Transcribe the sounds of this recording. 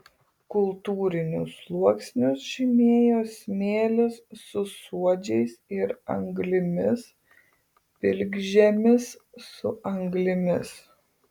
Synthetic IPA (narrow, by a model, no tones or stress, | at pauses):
kʊlˠt̪uːɾʲɪnʲʊslˠuɔksʲnʲʊsʃʲɪmʲeːjoːsʲmʲeːlʲɪsːʊsuɔd͡ʒʲɛɪsɪɾɐ̰ŋɡlʲɪmʲɪs | pʲɪlʲɡʒʲɛmʲɪsːʊʔɐŋɡlʲɪmʲɪs